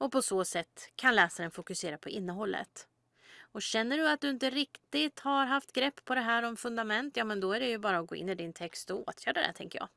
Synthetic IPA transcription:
ɔpʰɔsoːsɛt̪ːkʰanlɛːsaɾənfʊkɵseːɾapʰɔʔɪnːəɦɔlːə̰t̪ | ɔɕɛnːəɖɵat̪̚d̪ɵɪnt̪əɾɪkt̪ɪt̪haɾɦaft̪ɡɾɛpːpʰːɔd̪ɛɦæːɾɔmfɵnd̪amɛnt̪jɑːmɛnd̪ɔæɖɛjɵbɑːɾaɔɡo̰ːʔɪ̰nːɪd̪ɪnt̪ʰɛkst̪ɔoːt̪ʰjæːɾad̪ɛ̰t̪ʰɛ̰ŋkəjɑ̰ːɡ

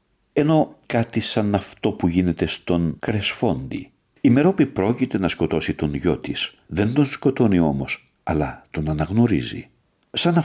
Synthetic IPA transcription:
e̞no̞kɐt̪isɐnɐft̪o̞puʝine̞t̪e̞st̪o̞ŋkɾesfo̞nd̪ḭ | ime̞ɾopipɾo̞cit̪e̞nɐsko̞t̪o̞sit̪o̞nʝo̞t̪is | ðe̞nd̪o̞nsko̞t̪o̞nio̞mo̞s | ɐlɐt̪o̞nɐnɐɣno̞ɾizḭ | sɐnɐ

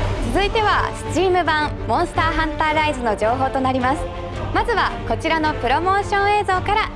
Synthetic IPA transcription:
t͡sɨzɨit̪e̞β̞asɨ̥t͡ɕiːmɯ̟bãm | mõ̞ɰ̃sɨ̥t̪aːɦãnt̪aɾaizɨno̞d͡ʑo̞ːɦo̞ːt̪o̞naɾʲimasɨ̥ | mazɨβako̞t͡ɕiɾano̞pɯ̟ɾo̞mo̞ːɕõ̞ɰ̃e̞ːzo̞ːkaɾa

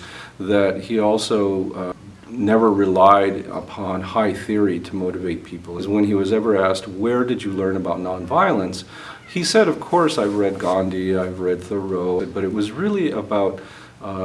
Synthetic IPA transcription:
ðɨt̚hiɔlˠsoʊ | nɛvə˞ɹɨlaɪɾə̰pʰɑ̃nhaɪθɪɹiɾəmoʊɾɨveɪt̚pʰipl̩ˠɨ̃zwə̃niwʌzɛvə˞æst̚wə˞dɨd͡ʒɨlɜ̃˞nəbaʊtⁿnɑ̃nvaɪl̩ˠə̃ns | hisɛɾʌv̥kʰɔɹsaɪvɹɛd̚ɡɑ̃ndiaɪvɹɛd̪̚θə˞oʊd̚bʌɾɨt̚wʌzɹɪlˠiəbaʊt̚

